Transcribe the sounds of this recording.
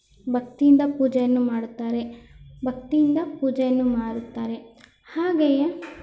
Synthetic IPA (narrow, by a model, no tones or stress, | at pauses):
bʱɐk̚t̪ijind̪ɐpuːd͡ʒɛjɐnːumaːɽut̪ːaːɾe̞bʱɐk̚t̪ijind̪ɐpuːd͡ʒɛjɐnːumaːɽut̪ːaːɾe̞ | haːɡeje